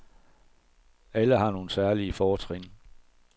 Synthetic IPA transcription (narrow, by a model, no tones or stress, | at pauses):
æləɦɑ̈no̝ːn̩sæɐliəfɒːt͡sʰʁen̰